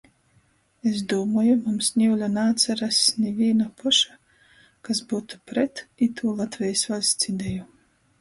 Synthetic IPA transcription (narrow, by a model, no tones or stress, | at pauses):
es̬d̪uːmɔːjumumsnʲiwlʲanaːt̪saɾasnʲɛvʲiɛnapʰɔʃa | kasbuːt̪u̥pɾɛt̪it̪ʰuːlˠat̪vʲɛjsvalʲst̪sid̪ʲɛju